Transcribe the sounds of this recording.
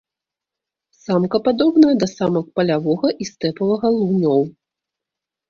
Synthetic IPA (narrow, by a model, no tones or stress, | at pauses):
samkɐpad̪ɔbn̪ɐjɐd̪ɐsamɐk̚pɐlʲavɔɣɐʔist̪ɛpɐvɐɣɐlˠunʲɔw